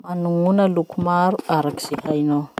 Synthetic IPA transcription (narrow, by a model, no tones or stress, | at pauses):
manuŋunəlukumaɾuaɾaki̥z̥eɦaino